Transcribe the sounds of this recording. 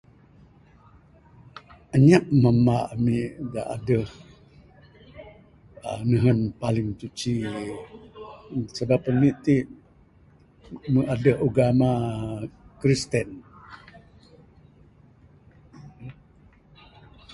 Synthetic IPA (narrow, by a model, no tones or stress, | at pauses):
əɲaʔ̚məmaʔmiʔda̰ʔa̰dəh | ənəɦənpalɪŋtut͡ʃi | səbapənmiʔt̪i | məʔadəhuɡama | kɾist̪ən